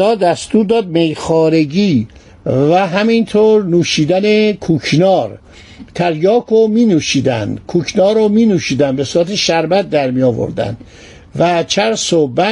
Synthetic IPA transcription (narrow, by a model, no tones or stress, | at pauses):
ɒːd̪æst̪uːɾd̪ɒːd̪̚mejxɒːɾeɡiː | væɦæmint̪ʰoːɾnuːʃiːd̪ænekʰukʰnɒːɾ | t̪ʰæɾjɒːkʰomiːnuːʃiːd̪æ̰nd̪kʰukʰnɒːɾomiːnuːʃiːd̪ænbesuːɾæt̪ʰeʃæɾbæt̪̚d̪æɾmijɒːvo̰ɾd̪æ̰nd̪ | væt͡ʃʰæɾsobæ